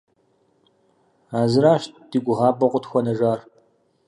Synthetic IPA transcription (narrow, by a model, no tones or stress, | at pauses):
aːzɨɾaːʃt̚d̥iːɡʷʊʁɑːpʼɐqʷʼʊtxʷɔnɐʒaːr